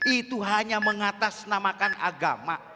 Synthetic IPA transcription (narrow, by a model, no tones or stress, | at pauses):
ʔit̪uɦaɲaməŋat̪asnamakanʔa̰ɡa̰ma